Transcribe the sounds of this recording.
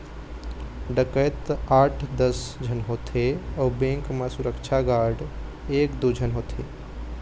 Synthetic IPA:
ɖəkəjt̪aːʈʰd̪əsd͡ʒʱənɦoːt̪ʰeɔbẽːŋkmasʊɾəkt͡ʃʰaɡaːɾɖ | eːkd̪ud͡ʒʱənɦoːt̪ʰe

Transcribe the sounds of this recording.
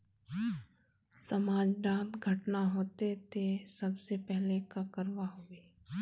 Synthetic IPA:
sɐmaːd͡ʒɖãːmɡʱɐʈnaɦoːt̪et̪ʰesɐbsepɛɦlekakəɾwaɦoːeː

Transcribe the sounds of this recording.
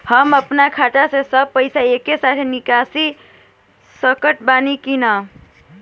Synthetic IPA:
həməpnakʰaʈasesəb̚pəɪsaekesat̪ʰenikasi | səkəʈbanikinə

